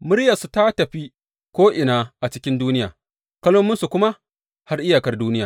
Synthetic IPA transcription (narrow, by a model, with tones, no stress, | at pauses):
mʊ˦ɽjɐ˨su˨ta˦tɐ˨ɸi˦ | kʷoː˦ʔɪ˨naː˦ʔa˨t͡ʃɪ˦kʲɪ˦nduː˦nɪ˦jaː˨ | kɐ˦loː˦mːʊ˦nsu˨kʷʊ˦ma˦ | ha˦rʔɪ˦jaː˨kɐ˦rduː˦nɪ˦jaː˨